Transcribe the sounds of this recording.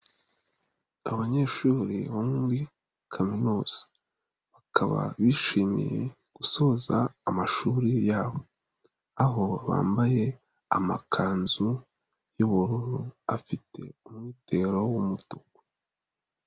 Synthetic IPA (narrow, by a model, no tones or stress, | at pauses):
aβaɲe̞ʃuːɾḭβoŋɡwi | kʰaminuːz̥ḁ | βakʰaβa̰βiʃiːmḭje̞̰ | ɡ̥uso̞ːzaːmaʃuɾijaːβo | aɦo̞βa̰ːmbaje̞ | a̰makʰaːnzu | juβuɾuɾuafite̞umŋiːte̞ɾo̞wumutoko̥